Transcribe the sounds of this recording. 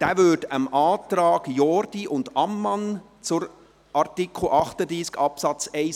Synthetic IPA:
d̥æːvʏdəmɑːtɾɑːɡ̥jɔɾd̥iʔʊndɑmːɑn | t͡sʊɾ | ʔɑɾtikʰl̩ʔɑχtəd̪ɾiːskɑpsɑt͡sɛɪ

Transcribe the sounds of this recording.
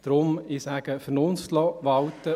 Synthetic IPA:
d̪̥ɾʊmɪsæɡ̥əfənonstlɔʋɑwt̪ə

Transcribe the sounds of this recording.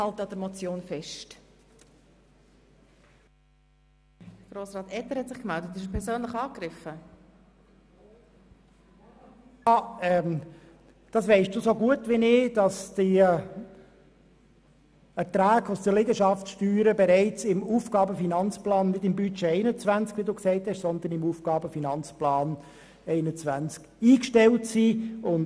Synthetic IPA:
ɑltəɑd̥əɾmɔt͡sjoːnfɛʃt | ɡ̥ɾoːsɾɑːt̪ɛtəɾhɛtsɪχkmɛldətɪʃpʰɛɾzøːnləɪχɑːkɾɪfə | ɑɛm | d̥ɑsʋɛɪsd̥uːsoɡuətʋinɪd̥ɑsd̥i | ɛɾtɾæːkʊsd̥əlɪɡəʃɑftsʃtyːɾəbɛɾɛɪt͡sɪmuːfɡ̥ɑːbəfinɑnt͡splɑːnːɪdɪmbyt͡ʃɛɛɪnət͡svænt͡skʋiduːksɛɪthɛʃsɔnd̪ənɪmuːfɡ̥ɑːbəfinɑnt͡splɑːn | ɛɪnət͡sʋænt͡sk | iːkʃtɛltsiːʊn

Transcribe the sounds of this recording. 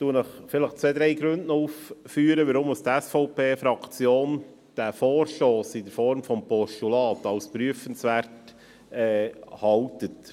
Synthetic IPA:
t̪uənəχfɪləχt͡sʋeːd̪ɾɛɪɡɾʉndnɔuːffyːəɾəʋəɾʊmːust̪ɛsfɔʊpeːfɾɑkt͡sjoːn | d̥æfɔːɾʃtoːsɪdəɾfɔɾmfɔmpɔʃtulɑːtɑwspɾyəfənsʋæɾt | ɛːhɑwtət

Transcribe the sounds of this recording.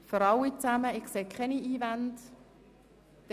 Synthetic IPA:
føɾɑwit͡sæməɪkseːkʰχɛniiːvant | d̥

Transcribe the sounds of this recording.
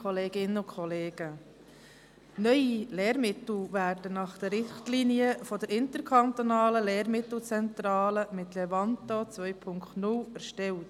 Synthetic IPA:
kʰɔleːɡ̥ɪnəʊkχɔleːɡ̥ə | nœʏileːɾmɪt̪l̩væːɾdənɑχd̥əɾːɪχtliniəfɔd̥əɾɪnt̪əɾkʰɑnt̪onɑːləleːɾmɪt̪l̩ˠt͡sɛnt̪ɾɑːləmɪt̪lɛvɑntot͡sʋœjpʰʊŋktnʊlæɾʃtɛlt

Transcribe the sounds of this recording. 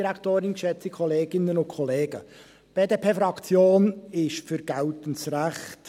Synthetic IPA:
ɾæktoːɾɪnkʃɛt͡sikʰɔleːɡɪnənʊntkʰɔleːɡ̥ə | b̥eːdeːpʰeːfɾɑkt͡sjoːnɪʃfʏɾɡ̥altənsɾæχt

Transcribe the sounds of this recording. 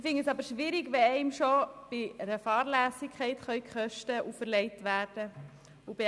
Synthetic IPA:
ɪfɪŋəsɑbəɾʃʋiːɾɪɡʋɛɛɪmʃob̥ɪəɾəfɑːɾlæːsɪkʰɛɪtχœɥkχœʃtəʔufəɾlɛɪtʋæːɾd̥ə | ubɪ

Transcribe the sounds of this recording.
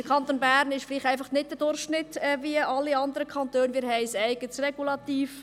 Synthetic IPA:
d̥əɾkʰɑntoːnbæːɾnɪʃfliːχtæɪfɑχnɪt̚d̥ədʊɾχʃnɪtːɛːviəʔɑlːiɑnd̪əɾəkʰɑnt̪øːnmɪːɾɦɛɪsɛɪɡətsrɛɡulɑt̪iːf

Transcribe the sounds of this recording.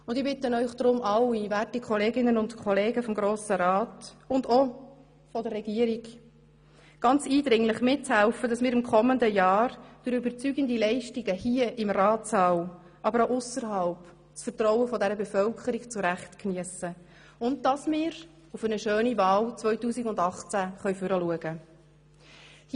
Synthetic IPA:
ʊndɪbɪt̪ənœʏχd̪̥ɾʊmʔɑlːivæːtikʰχɔleːɡɪnənʊntkʰɔleːɡəfɔmɡɾoːsəɾɑːtʊndɔ | fɔdərːɛɡiəɾiɡ | ɡ̥ɑnt͡siːdɾɪŋlɪχmɪt̚t͡shælfəd̥ɑsmɪːɾɪmkʰɔməndəjɑːɾd̥əɾybəɾt͡syɡəndilɛɪʃtiɡəhiəʔɪmɾɑːtsɑːw | ʔɑbəɾoʔʊsəɾɦɑlp | sfəɾtɾɔwəfɔdɛɾəbɛfœlkʰəɾikt͡sʊɾæχtkniəsə | ʊnd̚d̥ɑsmɪːɾ | ufənəʃøːnivɑːlt͡sʋœʏtuːsiɡʊndɑχt͡sæχœʏfʏɾəluəɡə

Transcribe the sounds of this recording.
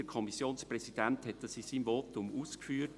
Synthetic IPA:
əɾkʰɔmisjoːnsprɛsid̥ɛnthɛtəsiːsiːnvoːtʊmuːskfyːt

